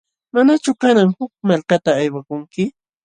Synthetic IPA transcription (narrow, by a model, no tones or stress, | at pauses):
manat͡ʃʊkanaŋhʊk̚malkat̪aːjwakʊŋkɪ